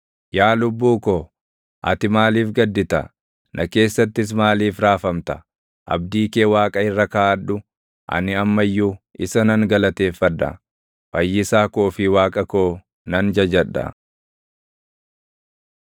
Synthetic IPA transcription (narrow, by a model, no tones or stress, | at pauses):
jaːlʊbːuːkoː | ʔɐ̰t̪ɪmaːliːfɡɐd̪ːɪt̪ɐ̰ | nʔɐke̞ːsːɐt̪ːɪs̬maːliːfɾaːfɐmt̪ɐ̥ | ʔɐ̰bd̪iːkeːwaːkʼɐɪrːɐkaːɐᶑʊ | ʔɐ̰nɪɐmːɐjːuːʔɪsɐnɐŋɡɐlɐt̪e̞ːfːɐd̪ːɐ̰ | fɐjːɪsaːkoːfɪwaːkʼɐkoː | nɐnd͡ʒɐd͡ʒɐᶑːɐ̰